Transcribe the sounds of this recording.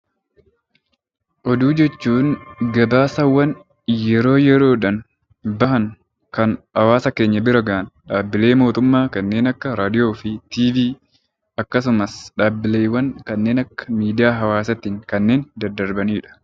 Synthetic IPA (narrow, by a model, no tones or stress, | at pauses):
ʔɔd̪uːd͡ʒɛt͡ʃːuːŋɡɐbaːsɐwːɐn | jɛɾo̞ːjɛɾo̞ːᶑɐn | bɐhɐŋ | kɐnʔɐwaːsɐke̞ːɲːɐbɪɾɐɡaːnᶑaːbːɪle̞ːmo̞ːt̪ʊmːaːkɐnːe̞ːnɐkːɐɾaːd̪ɪjo̞ːfɪt̪iːviː | ɐkːɐs̬ʊmɐsᶑaːbːɪleːwɐnkɐnːe̞ːnɐkːɐ̥miːd̪ɪjaːɦɐwaːsɐt̪ɪŋkɐnːe̞ːnd̪ɐɾd̪ːɐɾbɐniːᶑɐ̥